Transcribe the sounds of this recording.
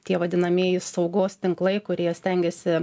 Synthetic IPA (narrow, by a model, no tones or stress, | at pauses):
t̪ʲiɛʋɐd̪ʲɪnɐmʲiɛjɪsɐʊɡoːst̪ʲɪŋklˠɐɪkʊɾʲiɛsʲt̪ʲɛŋʲɡʲɛsʲɪ